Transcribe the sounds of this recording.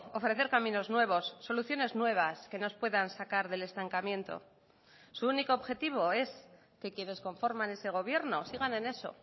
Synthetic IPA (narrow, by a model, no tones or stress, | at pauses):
o̞fɾe̞θe̞ɾkamĩno̞znwe̞β̞o̞sːo̞luθjo̞ne̞znwe̞β̞aske̞no̞spwe̞ðansakaɾðe̞le̞st̪aŋkamjẽ̞nt̪o̞̰ | suuniko̞ːβxe̞t̪iβ̞o̞e̞s | ke̞kje̞ne̞sko̞ɱfo̞ɾmane̞se̞ɣ̞o̞βje̞ɾnosiɣ̞ane̞ne̞so̞̰